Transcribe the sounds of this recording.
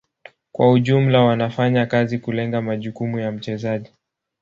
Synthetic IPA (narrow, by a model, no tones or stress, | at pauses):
kwauʄum̩lawanafaɲakazikulɛŋɡamaʄukumujam̩t͡ʃɛzaʄi